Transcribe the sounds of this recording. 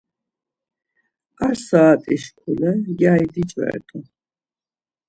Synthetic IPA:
aɾsaːt̪ʼiʃkʰuləɡajd̪it͡ʃʼvɛ̰ɛ̰t̪ʼu

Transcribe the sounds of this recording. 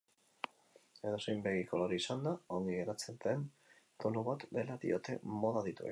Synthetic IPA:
e̞ðo̞sejmbe̞ɣiko̞loɾiisand̪ao̞ŋɡiɣe̞ɾat͡sent̪em | ponuβat̪d̪e̞laðḭo̞t̪e̞̰mo̞ðaðit̪uḛ

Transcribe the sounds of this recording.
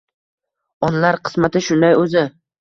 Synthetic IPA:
ɒnlaɾqʰɨ̥smat̪ɪʃʊnd̪ajɵzɪ

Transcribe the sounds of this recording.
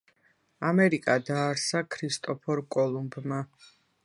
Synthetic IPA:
amɛɾikʼad̪aːɾsakʰɾist̪ʼɔpʰɔɾkʼɔlˠumbma

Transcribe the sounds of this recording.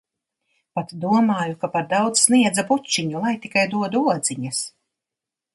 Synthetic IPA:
pat̪d̪uɔmaːjukapaɾd̪awd̪zsniɛd̪zabut͡ʃːiɲulˠajt̪ikajd̪uɔd̪uuɔd̪ziɲɐs

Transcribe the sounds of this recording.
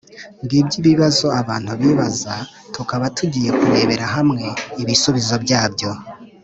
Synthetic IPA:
mɡiːbɟiβiβazo̞aβaːn̥huβiːβaza | tukaβatʰuɟije̞kuɾe̞ːβe̞ɾaɦamŋe̞iβisuβizo̞bjaːbjo̞

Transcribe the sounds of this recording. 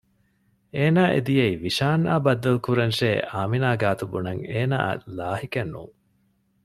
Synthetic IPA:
eːnaːʔḛd̪ijeiʋiʂaːnːaːbɐd̪ːɐlkuɾɐnʃeːʔaːminaːɡaːt̪ubunɐŋeːna̰ːlaːɦikɐnːṵːŋ

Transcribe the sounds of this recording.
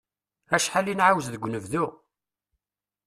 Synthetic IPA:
æʃħalinʕawzðəɡʷːnəvðʊ

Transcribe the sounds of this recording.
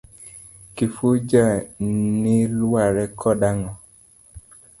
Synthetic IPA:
kifud͡ʒanilwaɾɛkʰɔdaŋɔ

